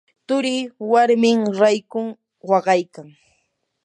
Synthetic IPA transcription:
t̪ʊɾɪwaɾmɪŋɾajkʊŋ | wɑɢɑjkaŋ

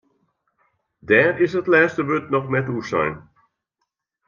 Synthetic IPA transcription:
dɛːrɪsətlɛːstəʋøtnɔχnɛtusɛ̰jn

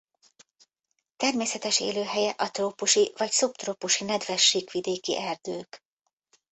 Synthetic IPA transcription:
t̪ɛrmeːsɛt̪ɛʃḛːløːɦɛjɛʔɒt̪roːpuʃivɒcsupt̪roːpuʃinɛd̪vɛʃːiːkʋid̪eːkḭʔɛrd̪øːk

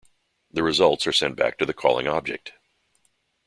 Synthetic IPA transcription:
ðɨɹɨzʌlˠtsə˞sɛ̃nb̥æ̰k̚tʰɨðɨkʰɔ̰lˠɪ̰̃ŋɑb̚d͡ʒɨ̰k̚t

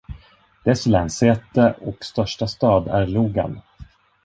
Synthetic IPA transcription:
d̪̥ɛslɛnseːt̪əɔkst̪œʂʈast̪ɑːd̪æɾɭuːɡa̰n

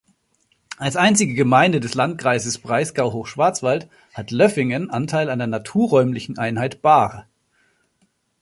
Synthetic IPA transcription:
ʔalsʔaɪnt͡sɪɡəɡəmaɪndədɛslant̚kʁ̥aɪzəsb̥ʁaɪsɡ̥aʊɦoːxʃv̥aɐt͡sv̥alt | hatlœfɪŋənʔantʰaɪlaɪdɐnatʰuːɐʁɔʏmlɪçn̩ʔaɪnhaɪtb̥aːʁə

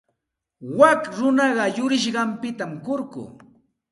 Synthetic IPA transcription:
wakɾʊnɑɢɑjʊɾɪʃ̬ɢɑmpɪt̪amkoɾkʊ̰ː

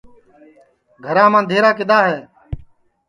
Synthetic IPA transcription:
ɡʱəɾãːmãːd̪ʱeːɾaːkɪd̪aːɦeː

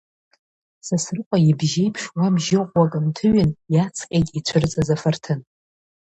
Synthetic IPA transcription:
sasrɨqʷʼajibʒejpʰʂwamʒɪqʷʼwakʼɨmtʰɨɥɪnjat͡sʰqʲʼekʲʼit͡ʃʷʰɨrt͡sʼazafartʰɨn

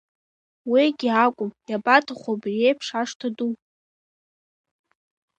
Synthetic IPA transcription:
wiɡʲiakʷʼʊmjabatʰaχʷabriejpʰʂaʂtʰadu

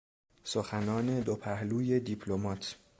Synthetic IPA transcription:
soxænɒːne̞d̪opʰæhluːje̞d̪ipʰlomɒːt̪ʰ

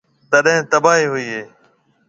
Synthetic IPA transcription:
t̪əɗɦɪ̃ːt̪əbaːɦiːɦʊiːɦeː

